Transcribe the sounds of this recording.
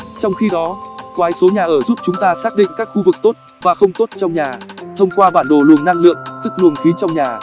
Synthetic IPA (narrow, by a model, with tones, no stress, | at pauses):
t͡ɕɔ˧wŋ͡mxi˧ɗɔ˨˦kwaː˨˦jso˨˦ɲaː˨˩ʔəː˧˩zu˦˥p̚t͡ɕʊ˨˦ŋ͡mt̪aː˧saː˦˥k̚ɗḭ˧˨ŋ̟kaː˦˥k̚xu˧vɨ˨˩k̚t̪o˦˥t̚ | vaː˨˩xə˧wŋ͡mt̪o˦˥t̚t͡ɕɔ˧wŋ͡mɲaː˨˩t̪ʰə˧wŋ͡mkwaː˧ɓaː˧˩nɗo˨˩lu˨˩əŋnːa˧ŋlɨ̰˧˨əŋt̪ɨ˦˥k̚lu˨˩ənxi˨˦t͡ɕɔ˧wŋ͡mɲaː˨˩